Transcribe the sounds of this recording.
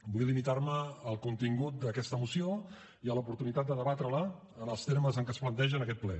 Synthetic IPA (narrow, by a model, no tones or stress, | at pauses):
bujlimit̪aɾməːlˠkunt̪iŋɡut̪̚d̪əkɛst̪əmusio | iəlupuɾt̪unit̪at̪̚d̪əðəβat̪ɾəla | ənəlˠst̪eɾməzəŋkəsplənt̪ɛʒənəkɛt̪̚plɛ̰